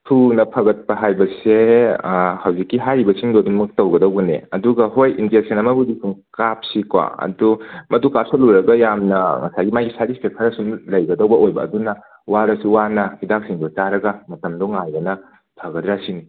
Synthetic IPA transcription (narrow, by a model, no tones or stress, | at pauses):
tʰunɐpʰɐɡɐt̚pɐɦajbɐse | hɐwzikːiɦajɾibɐsiŋdodumɐk̚tɐwɡɐdɐwɡɐnḛɐduɡɐɦojind͡ʒek̚sʰɐnɐmɐbudisumkap̚sikwa̰ɐ̰dumɐdukap̚sɐluɾɐɡɐjamnɐŋɐ̰sajɡimajɡisatispʰek̚tʰɐɾɐsumlɐjɡɐdɐwbɐojbɐ̰ːdunɐ | waɾɐsuwanɐhidak̚siŋdot͡ʃaɾɐɡɐmɐtɐmdoŋhajbɐnɐ | pʰɐɡɐtɾasini